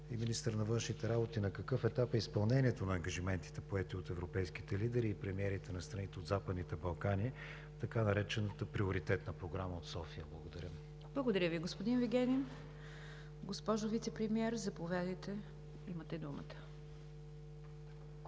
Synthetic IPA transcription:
iminist̪əɾnɐvɤnʃnit̪ɛɾabot̪inɐkɐkɤfɛt̪apɛispɐlˠnɛniɛt̪onɐːŋɡɐʒimɛnt̪i̥t̪ɛpoɛt̪iot̪ɛvɾopɛjski̥t̪ɛlid̪ɛɾiːpɾɛmiɛɾit̪ɛnɐst̪ɾɐnit̪ɛod̪zapəd̪nit̪ɛbɐlˠkani | t̪ɐkanɐɾɛt͡ʃɛnət̪əpɾioɾit̪ɛt̪nəpɾoɡɾaməot̪sɔfijəblˠɐɡod̪ɐɾʲə | blˠəɡod̪ɐɾʲəviɡospod̪inviɡʲɛnʲin | ɡospɔʒʊvit̪sɛpɾɛmiɛɾzɐpovʲad̪əjt̪ɛ | imət̪ɛd̪umə̰t̪ə̥

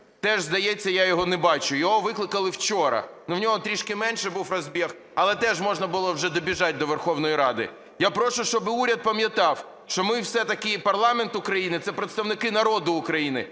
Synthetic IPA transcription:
t̪ɛʒzd̪ɐjet͡sʲːɐjajɔɦɔnɛbɑt͡ʃʊjɔɦɔʋɪklˠɪkɐlˠɪwt͡ʃɔɾɐ̰nuwnʲɔɦɔt̪ɾʲiʃkɪmɛnʲʃɛbuwrɐzʲbʲix | ɐlˠɛt̪ɛʒmɔʒnɐbʊlˠɔwʒɛd̪ɔbʲiʒɑt̚ʲd̪ɔʋerxɔwnɔjiɾɑd̪ɪ̰ | japɾɔʃʊʃt͡ʃɔbɪuɾʲɐd̪̚pɐmʲjɐt̪ɑw | ʃt͡ʃɔmɪwsɛt̪ɐkɪpɐrlˠɑment̪ʊkɾɐjinɪt̪sɛpɾet̪st̪ɐwnɪkɪnɐɾɔd̪ʊːkɾɐjinɪ̰

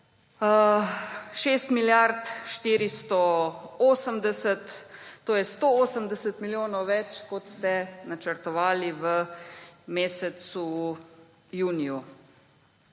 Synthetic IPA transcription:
ʃeːst̪miljaɾt̪ʃt̪iːɾist̪ɔoːsəmd̪ɛsət̪ːoːjɛst̪ooːsəmd̪ɛsət̪miljoːnɔwʋɛt͡ʃkɔt̪st̪ɛnat͡ʃəɾt̪ɔʋaːliʋə | meːsɛsu | juːniju

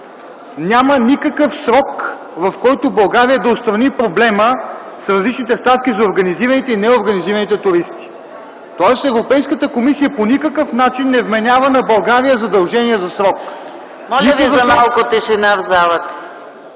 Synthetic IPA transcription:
nʲamənikəkəfsɾɔk | vɐfkɔjt̪obɐlˠɡaɾiəd̪ɐotst̪ɾɐnipɾoblɛmə | sɾɐzlit͡ʃnit̪ɛst̪at̪̚k̟izɐoɾɡɐniziɾɐnit̪ɛinɛoɾɡɐniziɾɐnit̪ɛt̪ʊɾist̪i̥ | t̪ɔɛst̪ɛvɾopɛjskət̪əkomisijəponikəkəfnat͡ʃinːɛvmɛnʲavənɐbɐlˠɡaɾijəzɐd̪ɐlˠʒɛniɛzɐsɾɔk | mɔlʲiəkvzɐmalˠkot̪ɛʃɛnavzalˠət̪

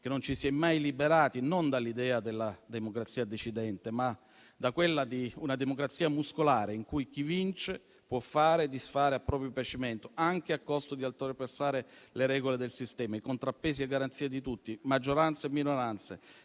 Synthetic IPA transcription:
k̟enont͡ʃisjɛjmajlibeɾaːt̪inond̪alːid̪ɛːad̪elːad̪emokɾat̪siːad̪et͡ʃid̪ɛnt̪ema | d̪akwelːad̪iunad̪emokɾat̪siːamuskolaːɾeiŋkujk̟ivint͡ʃe | pwɔfːaːɾed̪isfaːɾeapːɾɔːpɾjopjat͡ʃiment̪oaŋk̟eakːɔst̪od̪ialt̪ɾoɾepesaːɾeleɾɛːɡoled̪elsist̪ɛːmaikont̪ɾapːeːsieɡːaɾant̪siːad̪it̪ut̪ːimad͡ʒːoɾant̪semːinoɾant̪se

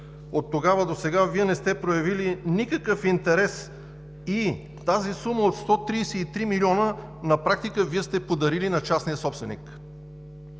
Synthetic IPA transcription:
ot̪ːoɡavəd̪osɛɡaviɛnɛst̪ɛpɾojɐvilinikəkəfint̪ɛɾɛs | i | t̪azisuməot̪st̪ɔt̪ɾiːsɛit̪ɾimiliɔnə | nɐpɾak̚t̪ikəviɛst̪ɛpod̪ɐɾilinɐt͡ʃasnijəsɔpsvɛnḭk

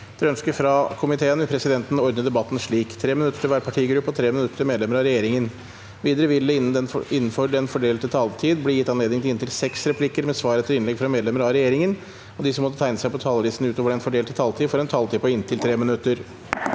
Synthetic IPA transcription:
d̪̥ɛœnskəfɾɑkʰʊmɪt̪ʰeːənʋɪlpʰɾɛsɪd̪ɛnt̪n̩ɔɾd̪əd̪ɛbɑt̪ːn̩ʂɭiːkt̪ʰɾeːmɪnʉt̪ːə̥ʈʰɪlʋæːɾpʰɑʈʰiːɡɾʉpːɔt̪ʰɾeːmɪnʉt̪ːəɾmeːd̪ɛməɾɑɾɛjeːɾɪŋən | ʋiːd̪əɾəʋɪlːəɪɪnːnføɖɛnfɔɖeːlt̪ʰːɪt̪ʰɑːlt̪ʰiːd̪blɪjɪt̪ːɑnleːd̪ɪŋt̪ɪɪnt̪ʰɪlsɛksɾɛpʰlɪkːəɾmɛsʋɑːɾət̪ʰːɪlɪnlɛɡfɾɑmeːd̪lɛməɾɑɾɛjeːɾɪŋən | ɔd̪ɪsɔmːɔt̪ːət̪ʰæɪnəsæɪpɔt̪ʰɑːlʋiːsn̩ʉːt̪oːʋəɾɛnfɔɖeːlt̪ʰɪlt̪ʰɑːlt̪ʰiːfɔɾɛnt̪ʰɑlt̪ʰiːpɔɪnt̪ʰɪlt̪ʰɾeːmɪnʉt̪ːəɾ

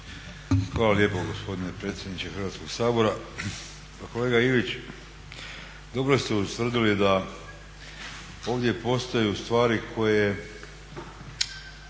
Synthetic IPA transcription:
xʋaːlalje̞po̞ɡo̞spo̞d̪ine̞pɾe̞ːt̪sjed̪nit͡ʃexɾrʋaːt̪ko̞ɡsaːbo̞ɾa | ko̞le̞ːɡaiʋit͡ʃ | d̪o̞bɾost̪eut̪ʋr̩d̪ilid̪a | o̞ːʋd̪je̞po̞st̪ojust̪ʋaːɾikʰo̞je

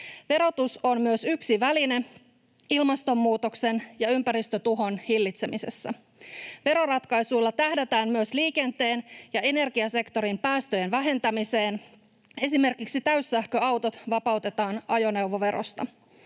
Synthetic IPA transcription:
ʋe̞ɾo̞t̪uso̞nmyøsyksiʋæline | ilmɑst̪o̞mːuːt̪o̞kse̞njɑympæɾist̪øt̪uɦo̞nhilːit̪semise̞̰sːæ | ʋe̞ɾo̞rɑt̪kɑjsujlːɑt̪æhdet̪æːnmyøsliːke̞nt̪e̞ːnjɑe̞ne̞rɡiɑse̞kt̪o̞ɾimpæːst̪øjenʋæɦe̞nt̪æmise̞ːn | e̞sime̞rkiksit̪æysːæhkøɑwt̪o̞t̪ʋɑpɑwt̪e̞t̪ɑːnɑjo̞ne̞uʋo̞ʋe̞ɾo̰st̪ɑ̰

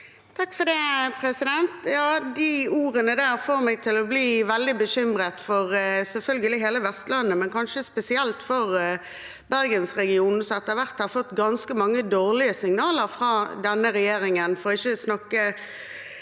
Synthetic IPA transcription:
t̪ʰɑkːfɔd̪ɛːpʰʁɛsɪd̪ɛnt̪jɑːd̪iuːʁənəd̪æːʁfɔʁmɛɡ̚t̪ʰɪlɔbliːʋɛld̪ɪbəɕʏmʁət̪fɔʁsɛlfœlɡəlɪɦeːləʋɛst̪lɑnːəmɛnkɑnʃəspɛsɪɛlt̪fɔʁ | bæʁɡənsʁɛɡɪuːnsɔɛt̪əʁʋæʁt̪hɑɾfɔt̪ːɡɑnskəmɑŋːəd̪oːʁlɪəsɪŋnɑːləʁfʁɑːd̪ɛnːəɾɛjeːɾɪŋənfɔɾɔɪçːəsnɑkːə

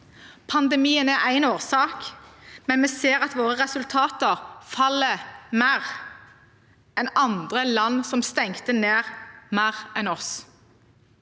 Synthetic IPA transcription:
pʰɑnd̪ɛmiːənæʔæɪnoːʁsɑːkmɛnmeːseːʁɑt̪ʋoːʁəʁɛsʉlt̪ʰɑːt̪əʁfɑlːəmæːʁ | ɛnɑnd̪ʁəlɑnːsɔmst̪ɛŋt̪əneːʁmæːʁɛnɔs

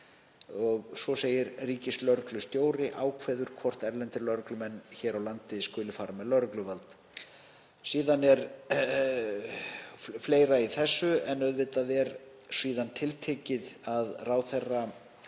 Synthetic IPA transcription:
ɔɣsɔseːjɪɾriːcɪslœɾklʏst̪joːwɾɪʔaːwkʰvɛːðʏɾ̥kʰvɔr̥t̪ɛɾlɛnt̪ɪɾlœɾʏklʏmɛnːçɛːɾawlant̪ɪskʏːlɪfaːɾamɛðlœɾʏklʏvalt̪ | siːðanɛɾ | fleːjɾaiθɛsːʏɛnœðvɪt̪aðɛɾ | siːðant̪ʰɪlt̪ʰeːcɪðaðraːwθɛrːa

